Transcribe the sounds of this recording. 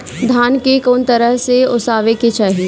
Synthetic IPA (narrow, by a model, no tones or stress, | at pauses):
d̪ʱaːnkekoːnt̪əɾəɦseʊsaːʋeket͡ʃaːɦie